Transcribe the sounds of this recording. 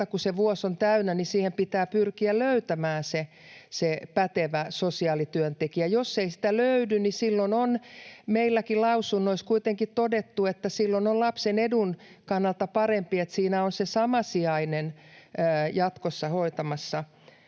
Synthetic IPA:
ɑkuseʋuosont̪æynænisiːhempit̪æːpyrkiælløyt̪æmæːnse | sepæt̪eʋæsosiɑːlit̪yønt̪ekiæjosːeisi̥t̪æløydynnisilːononmeilːækilɑusunːoiskuit̪eŋkit̪t̪odet̪ːuet̪ːæsilːonollɑpsenedun | kɑnːɑlt̪ɑpɑrempiet̪siːnæonsesɑmɑsiɑinenəːjɑt̪kosːɑhoit̪ɑmɑsːɑ

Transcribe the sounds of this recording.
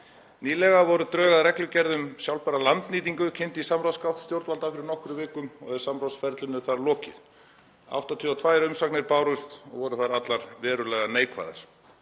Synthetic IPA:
niːlɛɣavɔɾʏt̪ɾœːɣaðɾɛklʏcɛɾðʏmsjawlpaɾalant̪niːt̪iŋkʏcʰɪn̥t̪ɪisamɾawskawht̪st̪jowɾt̪valt̪afɪɾɪɾnɔhkɾʏvɪːkʏmɔ̰ɣɛɾ̥samɾawsfɛɾt̪lʏnʏθaɾlɔːcɪ̰ð | a̰wht̪at̪ʰiːawt̪ʰvaːjɾʏmsaknɪɾpaːwɾʏst̪ɔ̰ɣvɔɾʏθaɾat̪laɾvɛːɾʏlɛːɣaneːjkva̰jða̰ɾ̥

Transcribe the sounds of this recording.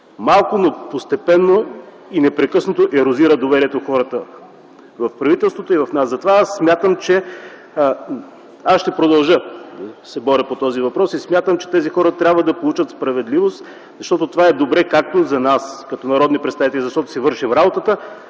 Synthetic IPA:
malˠkonopost̪ɛpɛnːo | inɛpɾɛkɤsnot̪oʔɛɾoziɾəd̪ovɛɾiɛt̪oxɔɾət̪ə | vɐfpɾɐvit̪ɛlˠst̪vot̪oivɐfnaszɐt̪ovaasːmʲjat̪əmt͡ʃɛ | asʃt̪ɛpɾod̪ɐlˠʒəd̪ɐsɛbɔɾʲəpot̪ɔzivɐpɾɔsismʲjat̪əmt͡ʃɛ̥t̪ɛzixɔɾət̪ɾʲabvəd̪ɐpolˠut͡ʃət̪spɾɐvɛd̪livost̪ | zɐʃt̪ɔt̪ot̪ovaɛd̪obɾɛkak̚t̪ozɐnaskɐt̪onɐɾɔd̪nipɾɛt̪st̪avit̪ɛlʲizɐʃt̪ɔt̪o̥sivɤɾʃifɾabot̪ət̪ə

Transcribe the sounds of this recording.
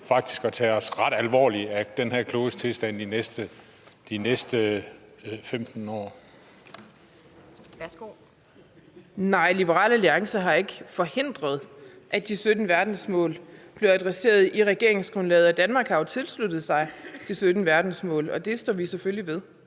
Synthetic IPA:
fɑ̈ɡ̥̚d̥i̥sɡ̥ɒt͡sʰɛːɒsʁɑ̈d̥ælʋɒ̰ːliæd̥enhæɐ̰kʰlo̝ːst͡sʰe̝lsd̥æn̰inesd̥ə | d̥inesd̥ə | femd̥n̩ɒ̰ː | o | nɑ̈ɪ̰lib̥əʁɑ̰̈ːləliɑ̈ŋsɐɦɑ̈e̝ɡ̥əfɒ̽he̝n̰d̥ʁɐð̞̩ˠʔæd̥isød̥n̩ʋæɐd̥n̩smɔ̰̽ːlb̥le̝ʊæd̥ʁɛse̝̰ːɐð̞̩ˠiʁɛɡ̥e̝ɐe̝ŋsɡ̥ʁɔ̽nlɛːð̩ˠɒ̽d̥ænmɑ̈ːɡ̥hɑ̈ʊt͡sʰe̝lslud̥ð̩ˠsɑ̈ɪd̥isød̥n̩əʋæɐd̥n̩smɔ̰ːlɒ̽d̥e̝sd̥ɒ̰ːʋiseføljiʋe̝ð̞ˠ

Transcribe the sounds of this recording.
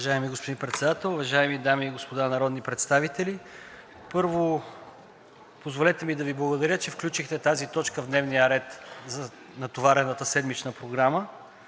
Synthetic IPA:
vɐʒaɛmiɡospod̪inpɾɛt̪sɛd̪at̪ɛlˠʊvɐʒaɛmid̪amiːɡospod̪anɐɾɔd̪nipɾɛt̪st̪avit̪ɛli | pɤɾvo | pozvolɛt̪ɛmid̪ɐviblˠɐɡod̪ɐɾʲjət͡ʃɛfklʲut͡ʃixt̪ɛt̪azit̪ɔt͡ʃkəvd̪nɛvnijəɾɛt̪zɐ | nɐt̪ovaɾɛnət̪əsɛd̪mit͡ʃnəpɾoɡɾamə

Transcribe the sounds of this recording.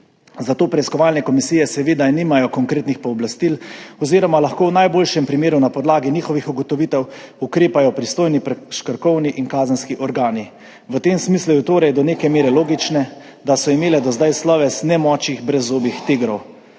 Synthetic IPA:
zat̪oːpɾɛiskɔʋaːlnɛkɔmisijɛsɛʋeːd̪aniːmajɔkɔŋkɾeːt̪nixpɔːblast̪ilɔziːɾɔmalaxkoːwnajboːlʃɛmpɾimeːɾunapɔd̪laːɡiniːxɔʋixuɡɔt̪ɔʋit̪ɛwukɾeːpajɔpɾist̪oːjnipɛʃkəɾkɔwniʔinkaːzənskiʔɔɾɡaːni | ʋət̪emsmislujut̪oːɾɛjd̪ɔneːkɛmeːɾɛloːɡit͡ʃnɛ | d̪asɔimeːlɛd̪ɔzd̪ajslɔːʋɛsnɛmɔːt͡ʃiɣbɾɛzːoːbixt̪eɡɾɔw

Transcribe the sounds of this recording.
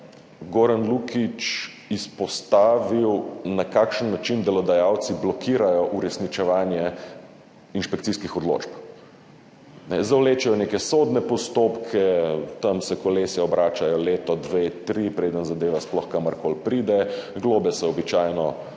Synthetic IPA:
ɡoːɾanlukit͡ʃ | ispɔst̪aːʋiwnakaːkʃənːat͡ʃind̪ɛlɔd̪ajawt̪siblɔkʰiːɾajɔʔuɾɛsnit͡ʃɛʋaːnjɛ | inʃpɛkt̪siskixɔd̪lo̰ːt͡ʃp | nɛzawleːt͡ʃɛjɔnekɛsoːd̪nɛpɔst̪opkʰɛt̪amsɛkɔleːsɛɔbɾaːt͡ʃajɔleːt̪ɔd̪ʋet̪ɾipɾeːd̪ənzad̪eːʋasplɔxkaməɾkolpɾid̪ɛɡloːbɛsɛɔbit͡ʃaːjnɔ

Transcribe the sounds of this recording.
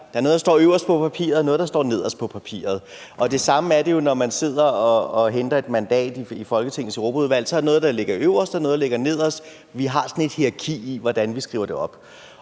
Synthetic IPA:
d̥ɑ̈ɐno̽ðˠdɑsd̥ɒ̰ːøʊɐsd̥pʰɒ̽pʰæpʰḭːɐð̩ˠnɔ̽ðˠd̥ɑ̈sd̥ɒ̰ːne̝ð̞̰ˠɒspʰɒ̽pʰæpʰḭːɐð̞̩ˠʔɒ̽d̥e̝sɑ̈məæɐɾe̝jo̝nɒmænse̝ð̞̰ˠɐɒ̽ːɦend̥ɐe̝d̥mænd̥ɛ̰ːd̥iifɒ̽lɡ̥ət͡sʰe̝ŋn̩seʁo̝ːbʰæuð̞ˠʋæl̰sɒɐ̥enɔ̽ːð̩ˠd̥ɑ̈le̝ɡ̥ɐøʊɐsd̥ɑ̈no̽ðdɑle̝ɡ̥ɐne̝ð̰ˠɒ̽s | ʋiɦɑ̈sɒ̽n̩e̝d̥hiʁɑ̈kʰḭːiʋɒd̥ænʋisɡ̥ʁḭʊɐd̥e̝ɒ̽b̥

